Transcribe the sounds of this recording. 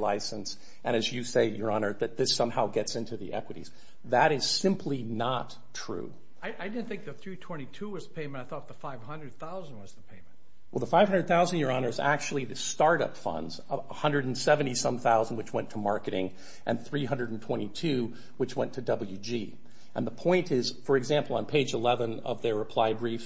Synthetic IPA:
la̰ɪsɨ̃ns | ʔɨ̃ɾ̃ɨzjɨseɪjə˞ɑnə˞ðɨt̪̚ðɪsʌ̃mhaʊɡɛtsɪ̃ntʰʉðḭʔɛ̰kwəɾḭz̥ | ðɨɾɪz̥sɪ̃mpʰlinətʰɹ̥ʉ̰ | aɪʔaɪdɪdⁿn̩θɪ̃ŋk̚ðɨθɹitʰw̥ɛ̃ɾ̃itʰuwʌzəpʰẽɪ̃mɨ̃naɪθɔt̪̚ðəfaɪv̥ɦʌ̃ndɹɨd̪̚θaʊz̃n̩wʌzðəpʰẽɪ̃m̃nt | wɛlˠðəfaɪv̥hʌ̃ndəd̪̚θaʊz̃ndjə˞ɑñə˞zæ̰k̚t͡ʃʉl̩ˠiðɨstɑɹɾʌ̰pfʌ̰̃ndz | hʌ̃ndɹɨɾn̩sɛvɨ̃ñtisʌ̃mθaʊznd̚wɨt͡ʃwɛ̃ntʰəmɑɹkɨɾɪ̰̃ŋ | ʔɨ̃nθɹiɦʌ̃ndɹəɾn̩tʰw̥ɛ̃ɾ̃itʰʉ | wɨt͡ʃwɛ̃ntʰɨdʌbl̩ˠjʉd͡ʒi | ʔɨ̃nðəpʰɔ̃ɪ̃ntɪz̥fə˞ɨɡzæ̃mpl̩ˠə̃npʰeɪd͡ʒəlɛvə̃nʌ̰vðə˞ɹɨpʰl̥aɪbɹif

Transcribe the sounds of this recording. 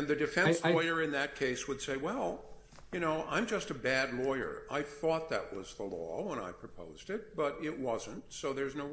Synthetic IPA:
nðɨdɨfɛ̃nslɔɪə˞ɨ̃nðɨt̚kʰeɪswəd̥seɪwɛlˠ | jɨñoʊʔã̰ɪ̃md͡ʒʌstɨbædˡlɔɪə̰˞a̰ɪθɔt̪̚ðɨ̰ʔ̚wʌzðəlɔ̰wə̃ña̰ɪpʰɹ̥ɨpʰo̰ʊzdɪt̚b̥ʌɾɪʔ̚wʌzə̃ntsoʊðə˞znoʊ

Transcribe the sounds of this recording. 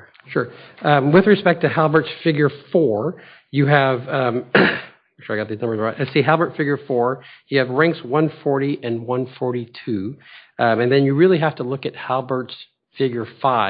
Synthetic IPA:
ʃʊɹwɪðɹɨspɛk̚tʰɨhælˠbə˞tsfɪɡjə˞fɔɹ | jɨɨv | ʃʊɹaɪɡɑt̪̚ðiznʌ̃mbə˞zlˠɹaɪʔasiɦɛlˠbə˞tfɪɡjə˞fɔɹjɨːvɹæ̃ŋkswʌ̃nfɔɹɾiʔɨ̃nwʌ̃nfɔɹɾitʰʉ | ɨ̃nðɨ̃njɨɹɪlˠiɦæftəlʊkɨt̚hælˠbə˞ts | fɪɡjə˞faɪ

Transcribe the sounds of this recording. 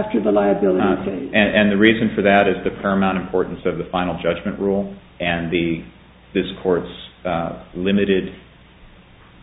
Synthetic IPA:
ftə˞ðəlaɪɨbɪlˠəɾseɨ̃ʔɨ̃nðɨɹizɨ̃nfə˞ðɨɾɨzðɨpʰɛɹɨmãʊ̃ɾ̃ɨ̃m̩pʰɔɹʔn̩sʌvðɨfãɪ̃nl̩ˠd͡ʒʌd͡ʒmɨ̃nʔɹulˠ | ɨ̃nðɨ | ðɪskʰɔɹts | lɪ̃mɨɾɪd

